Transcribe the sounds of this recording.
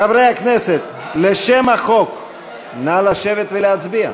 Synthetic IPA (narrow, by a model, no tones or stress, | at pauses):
avɾejhakneset̪̚ | leʃemaχo̞k | nalaʃevet̪veleat͡sbia̰